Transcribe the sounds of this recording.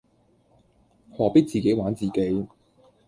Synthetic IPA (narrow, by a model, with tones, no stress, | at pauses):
hɔː˨˩piː˥t̚t͡siː˨˩ke˨˥jwaː˨˥nt͡siː˨˩ke˨˥j